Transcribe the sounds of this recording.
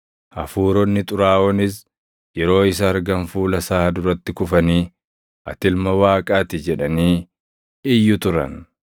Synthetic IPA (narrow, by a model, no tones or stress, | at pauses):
ʔɐfuːɾɔnːɪt̪ʼʊɾaːʔɔnɪs | jɛɾo̞ːɪs̬ɐːɾɡɐnfuːlɐsaːhɐd̪ʊɾɐt̪ːɪkʊfɐniː | ʔɐ̰t̪ɪlmɐwaːkʼaːt̪ɪd͡ʒɛᶑɐniː | ɪjːʊt̪ʊɾɐ̰n